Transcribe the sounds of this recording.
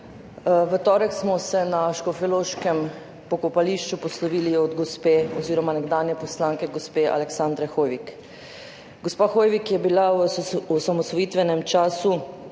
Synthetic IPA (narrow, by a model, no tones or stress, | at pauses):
ʋɛt̪ɔːɾɛksmɔsɛnaʃkɔfiloːʃkɛm | pɔkɔpaliʃt͡ʃupɔslɔʋiːliɔd̪ɡospeːɔziːɾɔmanɛɡd̪aːnjɛpɔslaːŋkɛɡospeʔa̰lɛksand̪ɾɛxoːjʋik | ɡɔspaːxoːjʋikjɛbila | samɔsʋɔjiːt̪ʋɛnɛmt͡ʃaːsu